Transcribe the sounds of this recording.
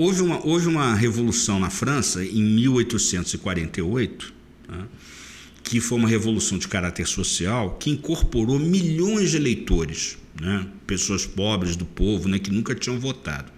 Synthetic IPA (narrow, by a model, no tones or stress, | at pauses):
ovɪũmɐʔovɪũmɐɦevolusɐ̃w̃nɐfɾɐ̃sɐẽj̃miwojt̪usẽnt̪ʊz̥ɪkwaɾẽnt̪ejojt̪ʊ̥ | nɛ | kʰɪfojũmɐɦevolusɐ̃w̃d͡ʒɪkaɾat̪eɾsosiawkɪĩŋkoɾpoɾomiʎõj̃zd͡ʒɪelejt̪oɾɪsnɛpesoɐspɔbɾɪzd̪ʊpovʊnɛkɪnũkɐt͡ʃĩɲɐ̃w̃vot̪a̰d̪ʊ